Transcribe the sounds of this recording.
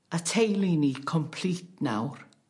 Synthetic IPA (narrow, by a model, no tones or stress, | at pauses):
atʰejlinikʰɔmpʰl̥iːt̚na̰wr